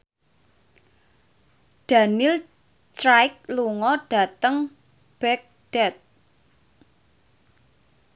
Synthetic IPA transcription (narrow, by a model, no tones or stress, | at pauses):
ɖ̥a̤nɪl | tɾajk̚luŋɔɖ̥a̤t̪əŋ | b̥ɛk̚ɖ̥ɛt̪̚